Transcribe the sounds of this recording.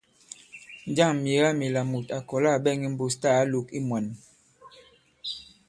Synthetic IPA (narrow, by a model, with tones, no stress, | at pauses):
n˦d͡ʒa˦˨ŋmje˨˦la˦mi˨la˨mu˨ta˨kɔ˨la˦˨bɛ˦˨ŋi˦m̩˦bo˦sta˦˨˦lo˨˦ki˦mwa˨n